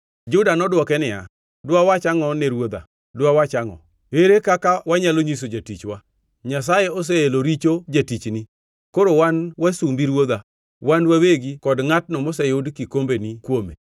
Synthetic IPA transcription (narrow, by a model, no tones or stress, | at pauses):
d͡ʒʊdanɔdwɔkɛnɪja̰ | dwawat͡ʃaŋɔneɾwod̪a̰ | dwawat͡ʃaŋɔ̰ | weɾekakawaɲaloɲis̬od͡ʒatit͡ʃwa | ɲas̬ajɛos̬eeloɾit͡ʃod͡ʒatit͡ʃni | koɾowanwasumbiɾwod̪a | wanwaweɡikɔdŋatnɔmɔsɛjʊdkikombenikwome